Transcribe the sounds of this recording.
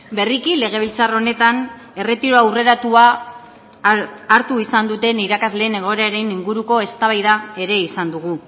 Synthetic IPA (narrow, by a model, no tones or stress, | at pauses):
be̞rikile̞ɣ̞e̞β̞ilt͡saro̞ne̞t̪an | e̞re̞t̪iɾo̞awre̞ɾat̪ua | ɾt̪uisand̪ut̪e̞niɾakazle̞ːne̞ɣ̞o̞eɾaɾe̞niŋɡuɾuko̞e̞st̪aβajðae̞ɾe̞isand̪uɣ̞u